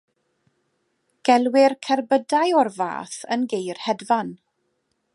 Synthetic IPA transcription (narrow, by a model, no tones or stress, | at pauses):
ɡ̥ɛlˠwɪrkʰɛrbədajɔrva̰ːθənɡejrhɛdvan